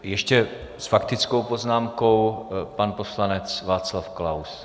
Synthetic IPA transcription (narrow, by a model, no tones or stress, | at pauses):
jɛʃcɛ | sfakt̪ɪt͡sko̞wpo̞znaːmko̞wpanpo̞slanɛt͡svaːt͡slafklaws